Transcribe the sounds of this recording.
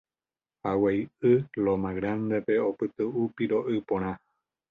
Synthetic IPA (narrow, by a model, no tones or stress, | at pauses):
hawejɨlomãɣɾand̪epe̞opɨt̪ɨupiɾo̞ʔɨpõɾ̃ã